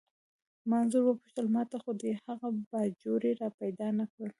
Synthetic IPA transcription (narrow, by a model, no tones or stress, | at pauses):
manzuɾwəpuʃt̪əlmɑt̪axod̪əhaɣabɑd͡ʒoɾeɾɑpajd̪ɑnakɽəl